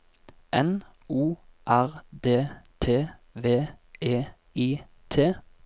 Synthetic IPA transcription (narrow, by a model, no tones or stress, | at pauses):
ʔɛn | uːʔæʁd̪eːt̪ʰeːʋeːeː | iː | t̪ʰeː